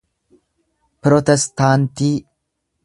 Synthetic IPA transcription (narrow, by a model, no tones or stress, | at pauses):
pɾɔt̪ɛst̪ant̪i